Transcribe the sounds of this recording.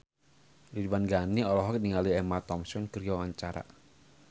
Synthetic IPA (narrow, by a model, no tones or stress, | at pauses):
libanɡaniɔlɔɦɔk̚niŋaliɛmat̪ɔmsɔnkəɾwawaɲt͡ʃaɾa̰